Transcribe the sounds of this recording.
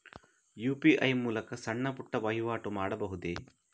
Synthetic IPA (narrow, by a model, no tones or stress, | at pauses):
juːpiʔɐjmuːlɐkɐsɐɳːɐpuʈːɐʋɐɦiʋaːʈumaːɽɐbɐɦud̪e